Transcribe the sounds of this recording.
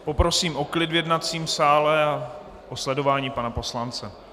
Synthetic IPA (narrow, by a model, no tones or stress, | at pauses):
po̞pɾo̞siːmʔo̞klɪdvjɛdnat͡siːmsaːlɛa | ʔoslɛdo̞vaːɲiːpanapo̞slant͡sɛ